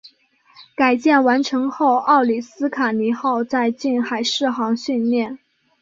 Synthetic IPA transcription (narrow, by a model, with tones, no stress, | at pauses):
ka˨˩ɪt͡ɕjɛ˥˩nwa˧˥nʈ͡ʂʰɤ˧˥ŋxo˥˧ʊʔɑ˥˩ʊli˨˩sɹ̩˥kʰa˨˩ni˧˥xɑ˥˧ʊt͡sa˥˧ɪt͡ɕi˥˩nxa˨˩ɪʂɻ̩˥˩xɑ˧˥ŋɕy˥˧nljɛ˥˩n